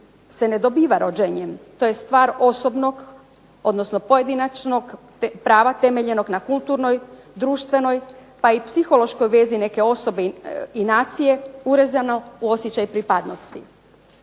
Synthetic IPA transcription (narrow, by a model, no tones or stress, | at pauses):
se̞ne̞d̪o̞biːʋaɾʔod͡ʒeɲemt̪o̞je̞st̪ʋaːɾo̞so̞bno̞ɡ | o̞d̪no̞sno̞po̞je̞d̪inat͡ʃno̞ɡ | pɾaːʋat̪e̞meʎe̞no̞ɡnakulˠt̪uːɾno̞j | d̪ɾuːʃt̪ʋe̞no̞jpaipsixo̞lˠo̞ʃko̞jʋe̞zine̞ke̞o̞so̞be̞inaːt̪sije̞uɾezanouo̞sjet͡ɕajpɾipad̪nost̪i